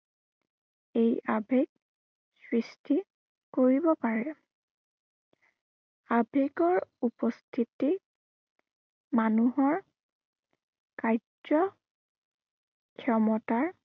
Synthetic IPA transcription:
ejabʱeɡ̚ | sɹistʰi | koɹibɔpaɹɛ | abʱeɡɔɹupɔstʰiti | manuɦɔɹ | kaj | ɔ | kʰjɔmɔtaɹ

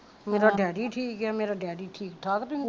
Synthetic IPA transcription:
meːɾaɖɛːɖiʈʰiːkɦɛmeːɾaɖɛːɖiʈʰiːkt̪ʰaːkt̪ũ

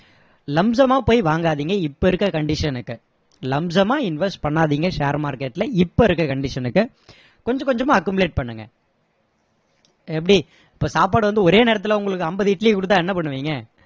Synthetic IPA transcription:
lɐmsɐmaːpoːjʋaːŋɡaːðiːŋɡɐɪpːoɪɾɯkːɐkɐɳɖɪʂɐnɯkːɯ | lɐmsɐmaːɪnʋɛsʈpɐɳːaːðiːŋɡɐʂeːɾmaːɾkɛʈːlɐɪpːoɪɾɯkːɐkɐɳɖɪʂɐnɯkːɯ | kɔɲd͡ʒɐ̃kɔɲd͡ʒɐmaːɐkːɯmɯleːʈ̚pɐɳːɯŋɡɐ̰ | ɛp̬ːɐɽi | ɪpːoːsaːpaːɽɯʋɐnd̪ɯɔɾeːneːɾɐt̪ːɪlɐʊŋɡɐɭɯkːɯɐmbɐðɪʈːlikːʊɽɯt̪ːãːɛnːɐpɐɳːɯʋiːŋɡɐ

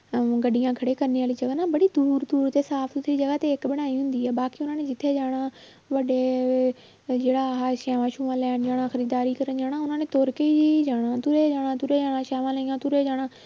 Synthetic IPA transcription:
ɡɐɗijãkʰɐɽekɐɾneaːlid͡ʒɐɡanãbɐɽid̪uːɾd̪uːɾt̪esaːfd̪ʊt̪ʰiid͡ʒɐɡat̪eɪkɓɪɽ̃aːiɦʊ̃ːnd̪iaːbaːkiʊnaːnẽd͡ʒɪt̪ʰed͡ʒaːɽ̃ã | ʋɐɗe | d͡ʒeːɽaɦaːʃaːʋãʃuːʋãːlaːnd͡ʒaːɽ̃ãxɐɾiːd̪aːɾikɐɾənd͡ʒaːɽ̃ãʊn̤ãːnẽt̪oːɾkeid͡ʒid͡ʒaːɽ̃ãt̪uɾed͡ʒaːɽ̃ãt̪uːɾed͡ʒaːɽ̃ãʃaːʋãːlaiːãt̪uɾed͡ʒaːɽ̃ãː

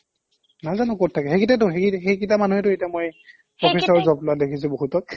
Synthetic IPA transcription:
nazanʊkɔtʰːakɛxekitatʊxeixejkitamanuɦɛtʊejtiamoj | ɔpʰisɔɹzɔplʊadekʰis̬ʊ̃boɦutɔk̚

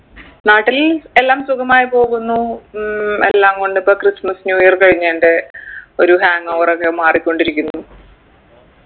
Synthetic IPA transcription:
naːʈːile̞lːaːmsukʰɐmaːjipo̞ːɣunːu | e̞lːaːmko̞ɳɖɨpːoːkrismɐsnjuːjɐrkɐɻiɲːaːɳɖe̞o̞ɾuhaːŋɐːʋrokːe̞maːrikʲːo̞ɳɖiɾikʲːunːu

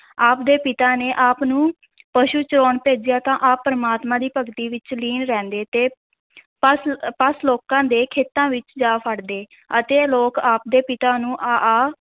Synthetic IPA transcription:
aːpd̪eːpɪt̪aːneːʔaːpnũː | pəʃuːt͡ʃɾoːɳpeːd͡ʒɪjaːt̪ãːʔaːpːəɾəmaːt̪mãːd̪iːpəɡt̪iːʋɪt͡ʃliːnɾɛ̃ːnd̪eːt̪eː | pəspəsloːkãːd̪eːkʰeːt̪ãːʋɪt͡ʃd͡ʒaːpʰəɽd̪eː | ət̪eːloːkaːp̚d̪eːpɪt̪aːnũːʔaːaː

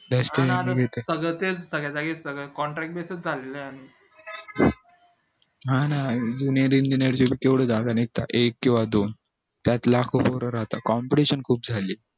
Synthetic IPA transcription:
d̪əst̪eaaɡʱet̪əsəɡət̪et͡ssəɡɭad͡zaɡesəɡɭəkɔɳʈɾɛk̚ʈ̚besət͡s̚d͡zʱaleləaɽ̃i | ɦãnad͡ʑuniəɾiɲd͡ʑineɾt͡ɕebʱiːkeʋɽəːd͡zaɡ̪anit̪ːa̰ʔekːĩw̃ʋad̪on | t̪jat̪lakʰopɔɾəɾaɦt̪akɔmpəʈiɕənkʰuːp̚d͡zʱaliː

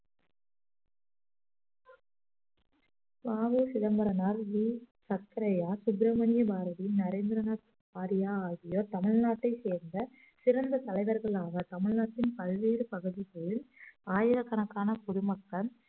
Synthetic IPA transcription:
baːʋɯsɪðɐmbɐɾɐnaːɾʋiːsɐkːɐɾɐjaːsʊbɾɐmɐnɪjɐbaːɾɐðinɐɾeːnd̪ɾɐnaː | paːɾɪjaːaːɣɪjoːt̪ɐmɪɭnaːʈːɐɪseːɾnd̪ɐ | sɪɾɐnd̪ɐt̪ɐlɐɪʋɐɾɣɐɭaːɣɐt̪ɐmɪɻnaːʈːɪnpɐlʋeːɾɯpɐɣɯðipoːɭɯnaːjɪɾɐkːɐnɐkːaːnɐkɔɽʊmɐkːɐn

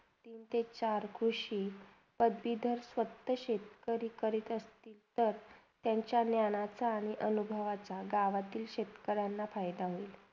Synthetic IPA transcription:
t̪iːnt̪et͡ɕaɾkʰɾuʂiː | pəd̪bid̪ʱəɾsʋət̪ːəɕet̪kəɾiːkəɾiːt̪əst̪iːlt̪əɾt̪jaɲt͡ɕjanjanat͡saːɽ̃iʔənubʱəʋat͡saɡaʋat̪iːlɕet̪kəɾanːafajd̪aʋiːl

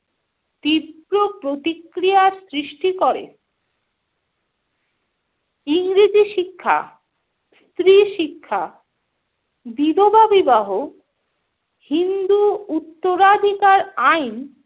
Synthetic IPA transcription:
t̪ipɾopɾot̪ikɾijaɾsɾiʃʈikɔɾḛ | iŋɾid͡ʑiʃikʰːa̰ | st̪ɾiʃikʰːa | bid̪obabibaɦo | hind̪uut̪ːoɾad̪ʱikaɾajn

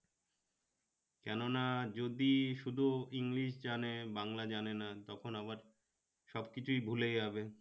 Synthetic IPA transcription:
kɛnonad͡ʑod̪iʃud̪ʱuiŋliʃd͡ʑanebaŋlad͡ʑanenat̪ɔkʰonabaɾ | ʃɔbkit͡ɕʰujbʱulejɦɔbe

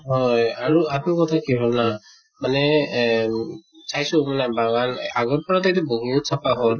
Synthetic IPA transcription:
ɦɔjaɹuatnikɔtʰakiɦɔlna | manɛ | sajsumanabaɡanaɡɔɹpɔɹatajtɛboŋiusʰapaɦɔl

